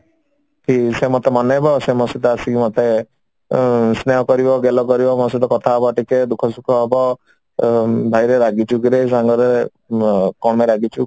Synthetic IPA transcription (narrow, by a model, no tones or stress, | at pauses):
kisemɔt̪emɔnebɔsemɔsit̪ɔasimɔt̪e | sneɦɔkɔɾibɔɡelɔkɔɾibɔmɔs̬iʈɔkɔt̪ʰaɦebɔʈiked̪ukʰɔsukʰɔɦebɔ | bʱajɾeɾaɡit͡ʃʰukiɾeis̬aŋɡɔɾe | kɔmeɾaɡit͡ʃʰu